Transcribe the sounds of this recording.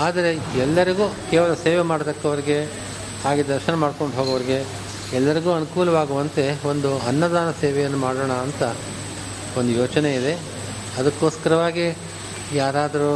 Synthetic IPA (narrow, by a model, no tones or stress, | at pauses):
aːd̪ɐɾe̞ɛlːɐɾiɡuːkeːʋɐlɐseːʋemaːɽt̪ɐkːɐʋɐɾiɡe̞ | haːɡid̪ɐɾʃɐnɐmaːɖko̞ɳɖɦoːɡɐʋɐɾiɡe̞ | ɛlːɐɾiɡuːɐnukuːlɐʋaːɡuʋɐnt̪e̞o̞nd̪uɐnːɐd̪aːnɐseːʋɛjɐnːumaːɽoːɳɐːnt̪ɐ | o̞nd̪ujoːt͡ʃɐne̞id̪e̞ | ɐd̪ɐkːoːskɐɾɐʋaːɡi | jaːɾaːd̪ɐɾu